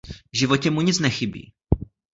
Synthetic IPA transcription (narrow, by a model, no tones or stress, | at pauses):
vʒɪvo̞cɛmuɲɪt͡snɛxɪbḭː